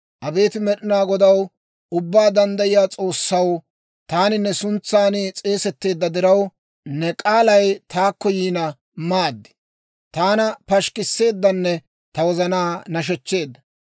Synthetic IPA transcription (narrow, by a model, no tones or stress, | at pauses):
ʔɐbe̞ːt̪ɪmɛɗɪnaːɡɔd̪ɐw | ʊbːaːd̪ɐnd̪ɐjɪjaːt͡sʼo̞ːsːɐw | t̪aːnɪnːɛsʊnt͡sːaːnɪt͡sʼe̞ːsɛt̪ːe̞ːd̪ːɐd̪ɪɾɐw | nɛkʼaːlɐjt̪aːkːɔjiːnɐ | maːd̪ːɪ̥ | t̪aːnɐpɐʃkɪsːe̞ːd̪ːɐnːɛ | t̪ɐwɔzɐnaːnɐʃ̬ɛt͡ʃːe̞ːd̪ːɐ